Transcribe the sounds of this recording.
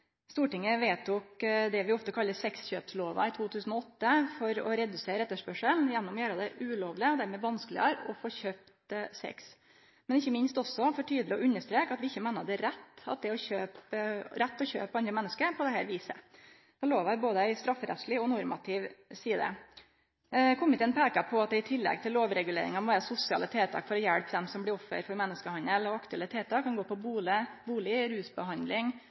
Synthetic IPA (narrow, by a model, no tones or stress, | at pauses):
st̪uːʈɪŋːəʋeːt̪ʰʊkd̪ɛʋɪɔft̪əkʰɑlːəsɛksçøːpsloːʋɑ̰ɪt̪ʰuːt̪ʰʉːsn̩ɔɔt̪ːəfɔɾɔ̰ɾɛd̪ʉseːɾɛt̪ːəʂpœʂəlnjɛnːɔmɔjæːɾɑd̪ɛʔʉːloːʋlɪɔd̪æɾmɛʋɑnskəlɪɑɾɔ̰foːçøːpt̪sɛ̰ks | mɛnɪçːəmɪnst̪ɔsːɔfɔʈʰyːd̪əlɪɔʔʉnːəʂt̪ɾeːkɑt̪ʋɪɪçːəmeːnəd̪ɛɾɛt̪ːɑ̰t̪̚d̪ɛɔçøːpɾɛt̪ːɔçø̰ːpːɑnd̪ɾəmɛnːəskəpʰɔd̪ɛhæːɾʋiːsə | d̪̥ɛloːʋæɾboːd̪əæɪst̪ɾɑfːəɾɛ̰t̪slɪɔnɔɾmɑt̪ʰɪʋsiːd̪ə̰ | kʰɔmːɪt̪ɛnpʰɛːkɑpʰɔɑt̪̚d̪ɛɪt̪ʰɪlːɛ̰ɡ̚t̪ʰɪlːoːʋɾɛɡʉlḛːɾɪ̰ŋɑmɔʋæːɾəsʊsɪɑ̰lət̪ʰeːt̪ʰɑ̰ːkfɔɾɔjælpd̪ɛmsɔmblɪɾɔfːə̰ɾfɔɾmɛnːəskəhɑnəlɔɑkt̪ʉɛlət̪ʰeːt̪ʰɑːkʰːɑnɡoːpɔbuːlɪbuːlɪɾʉːsbəɦɑnd̪lɪŋ